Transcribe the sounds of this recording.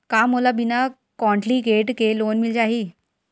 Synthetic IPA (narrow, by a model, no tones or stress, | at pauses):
kamolabina | kɔ̃ɳʈlikeʈkelonmild͡ʑaɦi